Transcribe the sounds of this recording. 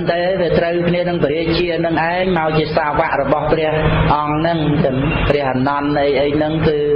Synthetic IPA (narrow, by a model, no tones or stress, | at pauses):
nt̪aːʋiət̪rəwkʰniənɨŋpɾiəc̚t͡ɕiənɨŋʔaɛŋmaɔjt͡ɕiəsaːʋaʔrɔɓɑhprɛ̆əhʔɑŋnɨŋt̪ɨŋprɛəhʔanɑnʔəjʔəːjnɨŋkɨː